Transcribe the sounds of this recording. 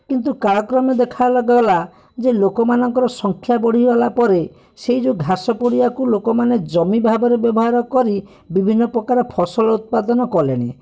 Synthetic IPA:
kint̪ukaɾɔkɾɔmed̪ekʰajlɔɡɔɦɔla | d͡ʒelokɔmanɔŋkɔɾɔsɔŋkʰjabɔɽ̤iɔɦlapɔɾe | seid͡ʒuɡʱasɔpoɽiakulokɔmaned͡ʒɔmibʱabɔɾebjɔbɔɦaɾɔkɔɾi | bibʱinːɔpɾɔkaɾɔpʰɔsɔlɔut̪̚pad̪ɔnɔkɔleɽ̃ḛ

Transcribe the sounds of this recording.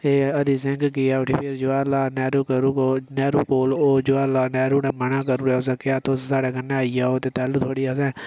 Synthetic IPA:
eːəd̪iːs̬ɪŋɡkiaːʈʰiːpʰɪɾd͡ʒʊaːlaːnɛːɾuːkəɾukonɛːɾuːkoːloːd͡ʒʊaːlaːnɛːɾuːnɛːmənaːkəɾuːɾɛːʊs̬aːkɪaːt̪oːssaːɽaːkənːeaːijaːoːt̪eːt̪ɛːlut̪ʰoːɽiːas̬ɛ̃ː

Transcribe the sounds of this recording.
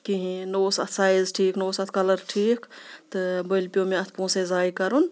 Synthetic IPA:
kiɦĩnoːsɐt̪ʰsaːjizʈʰiːknoːsɐt̪ʰkɐləɾʈʰiːkt̪ɨbəlpijomẽɐt̪ʰpõːsezaːjkɐɾun

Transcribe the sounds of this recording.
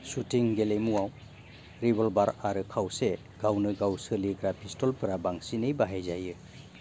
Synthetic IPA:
sutʰiŋɡelemuaw | ɾibɔlbaɾaɾɯkʰawse | ɡ̥awnɯɡawsɯliɡɾapʰistɔlpɯɾabaŋsinɯjbaɦajzajɯ

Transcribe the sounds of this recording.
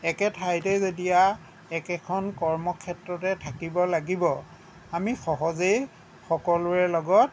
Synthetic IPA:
ɛkɛtʰajtɛzodija | ɛkɛkʰɔnkɔɹmɔkʰɛtɹɔtɛtʰakibɔlaɡibɔ | amixɔɦɔzej | xɔkɔlʊɛlɔɡɔt̚

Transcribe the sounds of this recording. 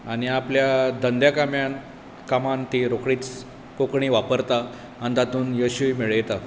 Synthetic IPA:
añiapljad̪ʱənd̪jakamja | kamant̪iɾokɽiːt͡s | kokɳiːʋapəɾt̪aː | nit̪at̪uːnjəɕujmiɭjɛt̪a

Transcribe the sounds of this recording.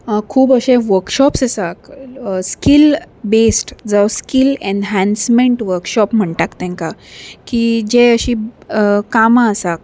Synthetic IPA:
kʰuːbəɕẽʋəɾkɕɔpsəsakskil | besʈd͡zawskilenɦɛ̃nsmẽɳʈʋəɾkɕɔpm̤əɳʈakt̪ɛ̃ŋkakid͡ʑeəɕĩ | kamasak̚

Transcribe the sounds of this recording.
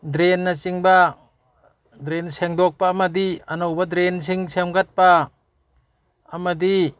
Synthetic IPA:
dɾenːat͡ʃiŋba | dɾenseŋdɔk̚paːmadianɔwbadɾens̬ʰiŋsemɡat̚pa | madi

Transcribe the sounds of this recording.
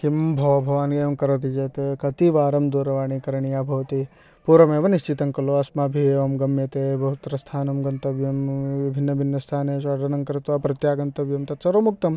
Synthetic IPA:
kimbʱɐʋɐbʱɐʋaːnkeːʋɐmkɐɾɐt̪̬id͡ʒeːt̪ekɐt̪iʋaːɾɐmd̪oːɾɐʋaːɳiːkɐɾɐɳijaːbʱɐʋɐt̪i | puɾɐmeːʋɐniʃt͡ʃit̪ɐŋkɐloɐsmaːbʱieːʋɐmɡɐmjɐt̪ebʱɐɦut̪ɾɐst̪ʰaːnɐmɡɐnt̪ɐbjɐmʋibʱinːɐbʱinːɐst̪ʰaːneːʃɐːɖ̪ɐnɐŋkɾɪt̪ʋapɾɐt̪jaːɡɐnt̪ɐbjɐmt̪ɐt͡ʃɐɾoːmuk̚t̪ɐm

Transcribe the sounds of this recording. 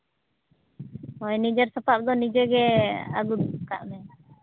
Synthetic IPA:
ɔjnid͡ʒɛɾsɔpap̚d̪ɔnid͡ʒɛɡɛa̰ɡud̪ka̰ʔmɛ

